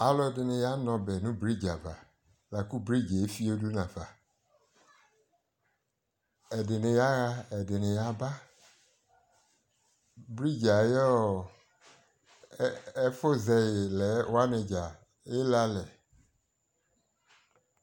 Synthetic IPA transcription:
a˨lɔ˦ɛ˨dɪ˨nɪ̃˨ja˦nɔ̃˨bɛ˨nʊ̃˦bɾi˦d͡ʒa˨va˨ | la˨ku˦bɾi˦d͡ʒe˨e˦fi˦o˦du˦nã˨va˨ | ɛ˨dɪ˨nɪ̃˨ja˦ɣa˦ɛ˨dɪ˨nɪ̃˨ja˨ba˦ | bɾi˦d͡ʒa˨jɔ˦˨˦ | ɛ˦fo˦zɛ˨jɪ˨lɛ˨˦wo˦a˦nɪ̃˨d͡ʒa˨ | jɪ˦la˦lɛ˨

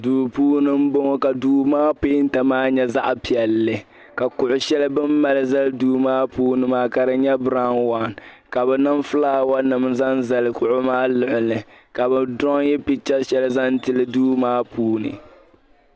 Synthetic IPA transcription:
duː˨puː˦nɨ˦m̩˦bo˦ŋo˦ka˨duː˦maː˦pe˦ɪ˦n̩˦ta˨maː˦ɲɛ˦za˦ʔpi˨ɛ˨lːɨ˨ | ka˨kʊ˨ʔʊ˨ʃɛ˦lbɨ˦mːa˦lɨ˦za˦lduː˦maː˦puː˦nɨ˨maː˦ka˨ɾɨ˨ɲɛ˦bɾa˦nwa˦˨n | ka˨bɛ˨nɨ˦mfɨ˦laː˦wa˦nɨ˨m˨za˦nza˨lɨ˨kʊ˨ʔʊ˦maː˦lɨ˨ʔɪ˨nɨ˨ka˨bɛ˨dɔ˦ŋjɛ˦pi˦t͡ʃa˦ʃɛ˦lza˦n˦tɨ˦lɨ˦duː˦maː˦puː˦nɨ̰˨

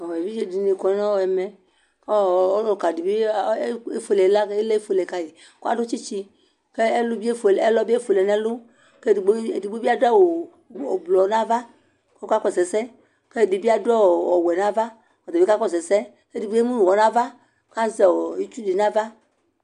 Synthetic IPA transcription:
ɔ˨wɛ˨bi˦d͡ʒe˦di˨ne˨kɔ˨˦ã˦wɛ˨mɛ˨ | kɔ˦˨o˦lo˨ka˨di˨bi˦e˦fo˨lɛ˨˦la˦e˦le˦e˦fo˨lɛ˨ka˦je˨ | ko˦a̰˨do˦t͡ʃi˦t͡ʃi˧ | ke˦e˦lu˦bi˦e˦fo˨lɛ˦lɔ˦bi˦e˦fo˨lɛ˨nɛ˦lʊ˦ | ke˦˨ɡ͡bdi˨ɡ͡bu˦bi˦a˦da˦˨wo˨ | o˨blɔ˨˦nã˦va˦ | ko˦ka˦kɔ˦˨sɛ˨sɛ˦ | ke˦˨di˨bi˦a˦dɛ˦wo˨ɔ˨wɛ˨nã˦va˦ | ɔ˨be˦ka˦kɔ˦˨sɛ˨sɛ˦ | ke˦di˨bu˦e˦mũ˦nu˨wɔ˨nã˦va˦ | ka˦zɛ˨wɔ˨i˦t͡ʃu˦di˨nã˦va˦

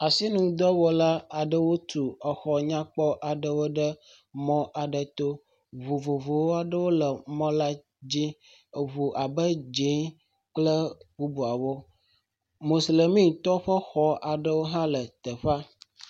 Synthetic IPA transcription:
a˨si˦nũ˨d̪ɔ˦wɔ˦la˦a˨ɖə˦wo˦t̪u˨ə˨xɔ˨ɲã˦k͡pɔ˦ʔa˨ɖə˦wo˦ɖə˦ | mɔ̃˦ʔa˨ɖə˨t̪o˦ | βo˨vo˨vo˨wo˦a˨ɖə˦wo˦lə˨mɔ̃˦la˦ | d͡ʑi˦˨ | βu˨ʔa˨bə˦d͡ʒi˦ | k͡plə˦ku˦bu˨a˨wo˦ | mo˨sle˨mĩ˦t̪ɔ˦ɸə˦xɔ˦a˨ɖə˦wo˦ɦã˦lə˨t̪ə˨ɸa˦

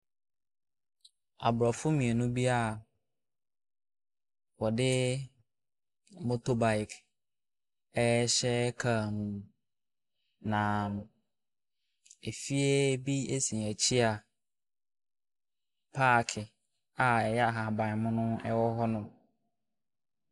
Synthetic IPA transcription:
a̰˨bɾɔ˨fʊ˦mĩ˨e˨nũ˦bi˦a˦˨ | wɔ˨dɪ˦ | mõ˦to˦ba˨jɪ˨kʰ | ɛ˦ɕɛ˦kʰa˦˨mũ˨ | nãː˨mʊ̃˨ | e˨fi˦e˦bi˦e˦sĩ˨æ˨t͡ɕʰi˦a˨ | pʰaː˦˨kʰɪ˨ | a˨ɛ˨jɛ˦a˨ɦa˨bã˨mʊ̃˦nʊ̃˦ɛ˦wɔ˦ɦɔ˦nʊ̃˨

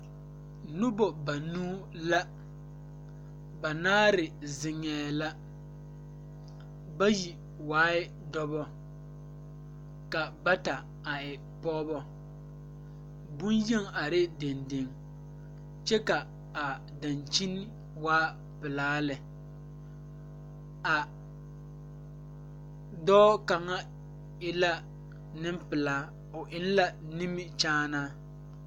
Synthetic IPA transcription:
nʊ˦bɔ˨ba˨nuː˦ | la˦ | ba˨naː˦ɾɪ˨zɪ˨ŋɛː˨˦la˦ | ba˦ji˨ | waː˦ɪ˦ | dɔ˦bɔ˦ | ka˨ba˦ta˨ | a˨ɪ˨ | pɔː˦bɔ˦ | bʊ˦nje˦ŋa˨ɾɪ˦de˨nde˨ŋ | t͡ʃɛ˦ka˨ | a˨ | da˨nt͡ʃi˦n˦ | waː˦ | pɪ˨laː˦lɪ˨ | a˨ | dɔː˦ka˨ŋa˦ | ɪ˦la˦ | nɪ˦mpɪ˨laː˨˦ | ʊ˨ʔɪ˦n˦la˦ni˦mɪ˦t͡ʃaː˦naː˦

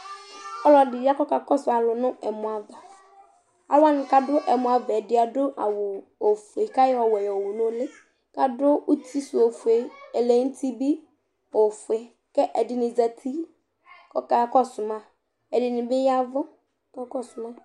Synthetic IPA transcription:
ɔ˦lɔ˨dɪ˨ja˦kɔ˦ka˨kɔ˦sʊ˨a˨lʊ˨nʊ̃˦ɛ˨mʊ˨a˨va˨ | a̰˨wa˦nɪ˨ka˦dʊ˦ʔɛ˨mʊ̃˨a˨va˨ɛ˨dɪ˨˦a˨dʊ˦ʔa˨wʊ˨ | o˨fu˨e˨ka˦jɔ˨wɛ˨jɔ˨wʊ˨nʊ̃˦lɪ˦ | ka˨dʊ˦u˦ti˦su˨o˨fu˨e˨ɛ˨le˦n̩˦tʰi˦bi˦ | o˨fu˨e˨ | kɛ˦ʔɛ˨dɪ˨nɪ˨za˨tʰi˦ | kɔ˨ka˦kɔ˦sʊ˨mã˨ | ɛ˨dɪ˨nɪ˨bɪ˦ja˦vʊ˦ | kɔ˦kɔ˦sʊ˨ma˦

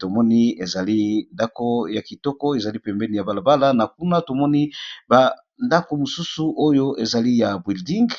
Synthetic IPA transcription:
to˨mɔ˦ni˦e˨za˨li˦nda˦ko˦ja˨ki˨tɔ˦kɔ˦e˨za˨li˦pɛ˨mbɛ˦ni˨ja˨ba˨la˨ba˦la˦na˨k̚u˦na˦to˨mɔ˦ni˦ba˨ | nda˦ko˨mo˨su˦su˨ʔo˦jo˦ʔe˨za˨li˦ja˨bwi˨ldi˦ŋɡ

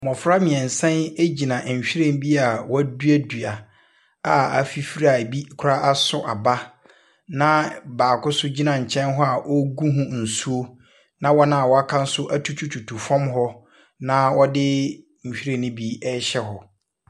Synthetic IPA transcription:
mɔ̃˨fɾa˦mĩ˨ɛ̃˨n̩˨sɛ̃˦ne˦d͡ʑi˨nã˨ɕᶣi˦ɾẽ˦n˦bi˦a˨wɔ˦du˦æ˦dɥa˨ | a˨a̰˨fi˦fi˦ɾa˨bi˦kʰʊ˦ɾa˦ʔa˦sʊ˦ʔa˨ba˦ | nã˦baː˨kʰʊ˦sʊ˦d͡ʑi˦nã˨ɲ̩˨t͡ɕʰɛ̃˦nɦɔ˦a˨ʔɔ˦ɡu˦ɦũ˦n̩˨su˦o˦ | nã˦wɔ˦nã˦a˨wɔ˦a˦kʰã˦n̩˦sʊ˦ʔa˦tʰu˦t͡ɕʰu˦t͡ɕʰu˨tʰu˨fɔ̃˦mɦɔ˦ | nã˦wɔ˦dɪ˦ | ɲ̩˨ɕᶣi˦ɾẽ˨nɪ̃˦bi˦ɛ˦ɕɛ˦ɦɔ˨

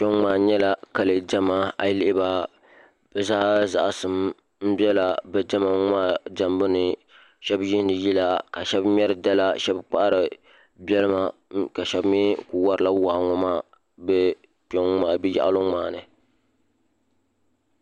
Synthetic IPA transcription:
pɔ˦ŋmaː˨ɲɛ˦la˨ka˨lɨ˨d͡ʒɛ˦ma˦a˨lɪ˦ʔɪ˦ba˦ | b̥ɛ˦zaː˦za̰˨ʔsɨ˨m | m̩˦bɛ˦la˨bɛ˨d͡ʒɛ˦ma˨ŋaː˦d͡ʒa˨mbɨ˦nɨ˨ | ʃɛ˦bji˦n˦dɨ˨ji˦la˦ka˨ʃɛ˦bmʲ˦ɛ˦ɾɨ˨da˦la˦ʃɛ˦bk͡pa˦ʔa˦ɾɨ˨ | bɛ˦lɨ˦ma˨ka˨ʃɛ˦bmi˦ku˨wa˦ɾɨ˦la˦waː˨ŋɔ˦maː˦ | bɛ˦ | pɔ˦ŋŋ͡maː˨bi˦ja̰˦ʔa̰˦lo˦ŋ͡maː˨nɨ˨

